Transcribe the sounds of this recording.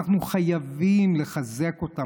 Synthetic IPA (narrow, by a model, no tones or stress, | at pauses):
χnuχajavimle̞χaze̞ko̞ta